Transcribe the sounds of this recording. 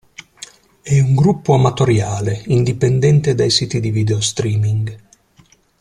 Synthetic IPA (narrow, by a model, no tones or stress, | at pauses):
ɛuŋɡɾupːoamat̪oɾjaːleind̪ipend̪ɛnt̪ed̪ajsiːt̪id̪ivid̪eost̪ɾiːmiŋɡ